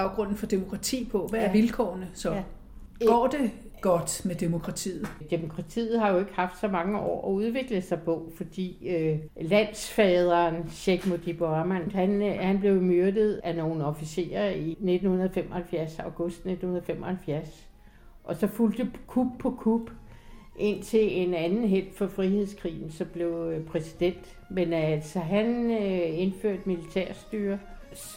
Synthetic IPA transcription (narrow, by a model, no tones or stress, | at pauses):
ɑʊɡ̥ʁɔ̽n̰n̩fɒ̽d̥e̝mo̝kʰʁɑ̈t͡sʰḭːpʰɒ̽ʋææɐʋilkʰɒ̰ːnəsɒ̽ | ɡ̥ɒ̰ːd̥e̝ | ɡ̥ɒ̽d̥med̥e̝mo̝kʰʁɑ̈t͡sʰḭːð̩ˠd̥e̝mo̝kʰʁɑ̈t͡sʰḭːð̞̩ˠhɑ̈jo̝e̝ɡ̥əhɑ̈fd̥sɒ̽mɑ̈ŋəɒ̰ːɒ̽uð̞ˠʋe̝ɡ̥ləsɑ̈ɪpʰɒ̽fɒ̽d̥ḭːølæn̰sfɛːð̞ˠɐːnɕeɡ̥mod̥ib̥oɑmænd̥hænhænb̥le̝ʊmøɐd̥əð̩ˠæno̝ːn̩ɒ̽fise̝̰ːɐine̝d̥n̩hunɐðˠfemʔɒhælfjæɐsɑ̈ʊɡ̥ɔsd̥ne̝d̥n̩hunɐðˠfemʔɒ̽hælfjæɐs | ʔɒ̽sɒ̽fuld̥əkʰub̥pʰːɒ̽kʰub̥ | ʔe̝n̰t͡sʰe̝le̝nænn̩ɦel̰d̥fɒ̽fʁihe̝ð̞ˠskʰʁḭːn̩sɒ̽mb̥le̝ʊpʰʁɛsi̥d̥en̰d̥ | menælsɒɦæne̝nføɐ̰d̥milit͡sʰɛɐ̰sd̥yːɐ | s